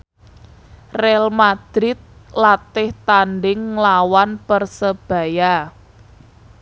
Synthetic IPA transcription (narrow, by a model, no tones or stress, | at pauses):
rɛɛlmad̪̥ɾɪt̪̚lat̪ɪht̪anɖɪŋlawanpərsəb̥ä̤ja